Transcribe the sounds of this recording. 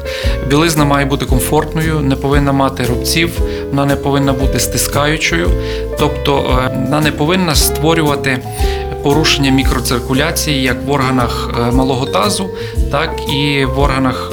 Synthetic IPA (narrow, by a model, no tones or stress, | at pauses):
bʲilˠɪznɐmɑjɛbut̪ɪkɔmfɔrt̪nɔjʊnɛpɔʋɪnːɐmɑt̪ɪɾɔbt͡sʲiw | ɔnɑnɛpɔʋɪnːɐbut̪ɪst̪ɪskɑjʊt͡ʃɔjʊ | t̪ɔpt̪ɔɔnɑnɛpɔʋɪnːɐst̪ʋɔɾʲʊʋɐt̪ɪ | pɔɾuʃenʲːɐmʲikɾɔt̪sɪrkʊlʲɑt͡sʲijijɐkʋɔrɦɐnɐx | mɐlˠɔɦɔt̪ɑzʊ | t̪ɑkiʋɔrɦɐnɐx